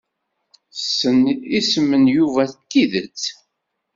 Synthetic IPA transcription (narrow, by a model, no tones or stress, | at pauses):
θsːənisəmːənjuvæθt̪ːiðət͡sː